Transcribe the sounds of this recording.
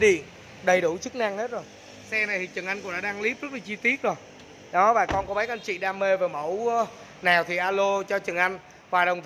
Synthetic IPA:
ɗḭ˧˨ən | ɗə˨˩jɗu˧˩t͡ɕɨ˦˥k̚na˧ŋhe˦˥t̚zo˨˩j | sɛ˧na˨˩jt̪ʰi˨˩t͡ɕɨ˨˩ŋʔa˧jŋkʊ̰˧˥ŋ͡mɗa̰ː˧˥ɗaː˧ŋli˦˥p̚zə˦˥t̚laː˨˩t͡ɕi˧t̪i˦˥ət̚zo˨˩j | ɗɔ˨˦vaː˨˩kɔ˧nkɔ˨˦mə˨˦jʔa˧n̟t͡ɕḭ˧˨ɗaː˧mːe˧vəː˨˩mə˧˥˩w | naː˨˩wt̪ʰi˨˩ʔaː˧lo˧t͡ɕɔ˧t͡ɕɨ˨˩ŋʔa˧jŋ̟ | hwaː˨˩ɗə˨˩ŋ͡mt̪

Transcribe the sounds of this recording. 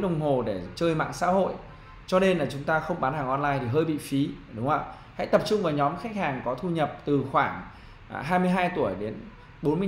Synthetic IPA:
ɗə˨˩wŋ͡mɦo˨˩ɗe˧˩t͡ɕəː˧jma̰ː˧˨ŋsa̰ː˧˥ho̰˧˨jʔ | t͡ɕɔ˧ne˧nlaː˨˩t͡ɕʊ˨˦ŋ͡mt̪aː˧xə˧wŋ͡mɓaː˨˦nhaː˨˩ŋʔɔ˧nlaː˧jt̪ʰi˨˩ɦəː˧jɓḭ˧˨fi˨˦ɗʊ˨˦ŋ͡məː˧˩ | ha̰˧˥jt̪ə˨˩p̚t͡ɕʊ˧ŋ͡mvaː˨˩wɲɔ˨˦mxa˦˥k̟̚haː˨˩ŋkɔ˨˦t̪ʰu˧ɲə˨˩p̚t̪ɨ˨˩xwaː˧˩ŋ | ɦaː˧jmɨ˧əjɦaː˧jt̪u˧˩əjɗe˨˦n | ɓo˨˦nmɨ˧ə

